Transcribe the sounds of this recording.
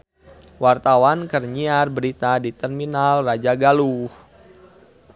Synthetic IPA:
wart̪awankərɲiarbəɾit̪adit̪ɛrminalrad͡ʒaɡaluh

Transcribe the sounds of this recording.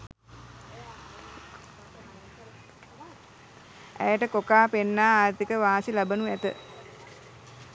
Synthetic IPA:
æ̰jəʈəkokaːpenːaːaːɾt̪ikəʋaːsilabənuæt̪ə̰

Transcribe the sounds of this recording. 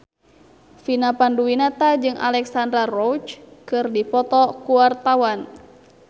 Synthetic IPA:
finapanduwinat̪ad͡ʒɨŋa̰lɛksandɾarɔwt͡ʃkɨrdipɔt̪ɔkuwart̪awan

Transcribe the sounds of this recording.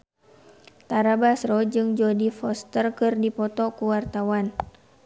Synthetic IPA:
t̪aɾabasrɔd͡ʒɨŋd͡ʒɔdifɔst̪ərkɨrdipɔt̪ɔkuwart̪awan

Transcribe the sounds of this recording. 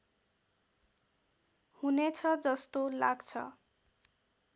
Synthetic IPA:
hunet͡sʰʌd͡zʌst̪olaɡt͡sʰʌ̰

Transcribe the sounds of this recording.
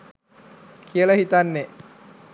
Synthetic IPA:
kʰijələɦit̪anːe

